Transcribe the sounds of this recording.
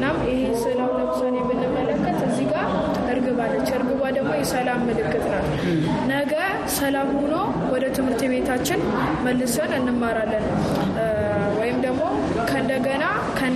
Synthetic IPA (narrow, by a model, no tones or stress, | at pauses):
nːamjɪhesɨlawunːət̪sonjɛmːɨnːɨmːələkːət̪əzːiɡaɾ | ɨɾɡɨβalːət͡ʃːɨɾɡɨβad̪əɡmo̞jɛsəlamːɨlɨkːɨt̪ʼnal | nəɡəɾ | səlamhuno | wɔd̪ət̪ʰɨmhɨɾt̪ʰβe̞t̪ʰat͡ʃːɪn | məlːɨsonɨnːɨmːaɾalːən | wɔjɪmd̪əɡmo̞ | kʰəɨnd̪əɡəna | kʰə